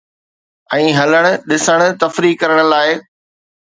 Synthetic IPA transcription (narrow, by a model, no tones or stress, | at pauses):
ɛ̃ːɦɐləɽ̃ʊ̆ɗɪsəɽ̃ʊ̆t̪ɐfɾikːɐɾəɽ̃ʊ̆laːɪ